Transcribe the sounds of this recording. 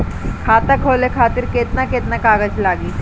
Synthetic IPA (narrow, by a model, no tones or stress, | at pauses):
kʰaːt̪əkʰoːlekʰaːt̪ɪɾkeːt̪nakeːt̪nakaːɡəd͡ʒlaːɡiː